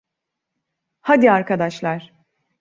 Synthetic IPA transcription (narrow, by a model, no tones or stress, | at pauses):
had̪iaɾkad̪aʃlˠaɾ̥